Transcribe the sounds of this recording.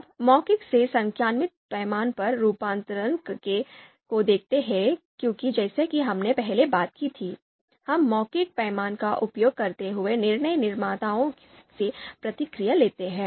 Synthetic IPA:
ɐbmɔːkɪksesɐ̃ŋkʰjaːnmɪt̪̚pɛːmaːnpɐɾːuːpãːnt̪əɾənkke | kod̪eːk̚ʰt̪eɦɛ̃kjõːkid͡ʒɛːsekiɦɐmnepɛɦlebaːt̪̚kit̪ʰiː | hɐmːɔːkɪk̚pɛːmaːnkaʔʊpjoːɡ̚kɐɾt̪eɦʊenɪɾnəjnɪɾmaːt̪aːõ | sepɾɐt̪ɪkɾɪjaleːt̪eɦɛ̃ː

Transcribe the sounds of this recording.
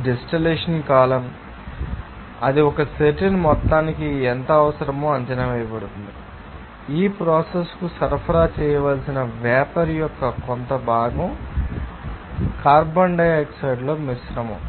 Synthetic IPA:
ɖesʈileːʂɐnkaːlɐm | ɐd̪iɔkɐseʈɐnmɔt̪ːaːnikiɛnt̪ɐːʋɐsɐɾɐmoːɐɲt͡ʃɐnɐʋɐjɐpɐɽut̪und̪i | iːpɾɔːseskusɐɾpʰɐɾaːt͡ʃɛːjɐʋaːlsinɐʋɛːpɐɾijɔkːɐkont̪ɐbʱaːɡɐm | kaːɾbɐɳɖɐjeksɐjɖlo̞ːmisɾɐmo

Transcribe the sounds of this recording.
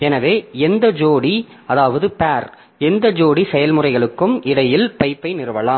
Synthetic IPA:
ɛnɐʋeːɛnd̪ɐd͡ʒoːɽi | ɐðaːʋɐðɯpaːɾ | ɛnd̪ɐd͡ʒoːɽisɛjɐlmɯrɐɪɣɐɭɯkːɯmʔɪɽɐjɪlpɐɪpːɐɪnɪɾɯʋɐlaːm

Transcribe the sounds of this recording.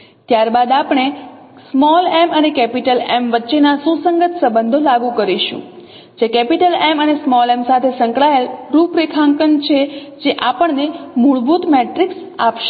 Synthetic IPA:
t̪jaɾbad̪apɳ̃e | smɔlɛmənekɛpiʈəlɛmʋətːʃenasũsəŋɡət̪səbənd̪ʱolaɡũkəɾiʃṵ̃ | d͡ʒekɛpiʈəlɛmənesmɔlɛmsat̪ʰesəŋkɭaelɾupɾikʰãŋkənt͡ʃʰed͡ʒeʔapəɳnemuɭbut̪meʈɾiksapʃe

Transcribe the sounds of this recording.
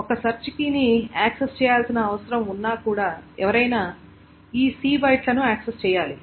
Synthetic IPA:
ɔkɐsɐɾt͡ʃikiniaːksest͡ʃɛːjaːlsinɐːʋɐsɐɾɐmunːaːkuːɽaːɛʋɐɾɐjnaː | iːsiːbɐjʈlɐnuaːksest͡ʃɛːjaːli

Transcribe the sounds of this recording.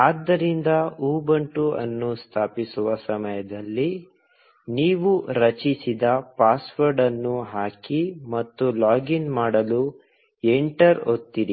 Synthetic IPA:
aːd̪ːɐɾind̪ɐuːbɐɳʈuɐ̰nːust̪ʰaːpisuʋɐsɐmɐjɐd̪ɐlːi | niːʋuɾɐt͡ʃisid̪ɐpaːsʋɐɾɖɐnːuɦaːkimɐt̪ːulaːɡinmaːɽɐlu | eɳʈɐɾot̪ːiɾi

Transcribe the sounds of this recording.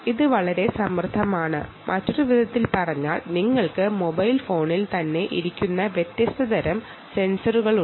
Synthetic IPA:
iðɨʋɐɭɐɾe̞sɐmrɨd̪ʱɐmaːɳɨ̰ | mʔɐtːo̞ɾuʋid̪ʱɐt̪ːilpɐrɐɲːa̰ːɭniŋːɐɭkɨmobɐjlfo̞ːɳilt̪ɐnːe̞ʔiɾikʲːunːɐʋjet̪ːjɐst̪ɐd̪ɐɾɐm | se̞nsɐruɣɐɭu

